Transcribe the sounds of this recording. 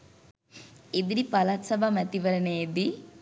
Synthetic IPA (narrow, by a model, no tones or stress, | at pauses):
ed̪ɾipɐlaːt̪sɐbʱamɐt̪iʋɐɾɐneːd̪i